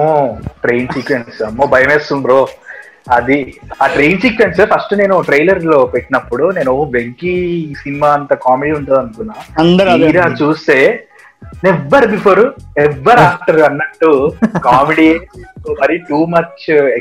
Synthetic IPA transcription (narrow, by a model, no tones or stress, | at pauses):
oʈɾe̞jnsiːkʋensɐmːoːbɐjɐmeːsunɾo | ɐd̪iaːʈɾe̞jnsiːkʋenspʰɐsʈne̞ːnuʈɾejlɐɾlo̞ːpeʈːinɐpːuɽune̞ːnoʋeŋkisinimaːɐnt̪ɐkaːmeɖiːuɳʈuːd̪ɐnukunːaːɐnd̪ɐɾiːɾaːt͡ʃuːst̪eː | neʋːɐɾbipʰoːɾɛʋːɐɾaːk̚ʈɐɾɐnːɐʈːukaːmeɽiemɐɾiʈuːmɐt͡ʃe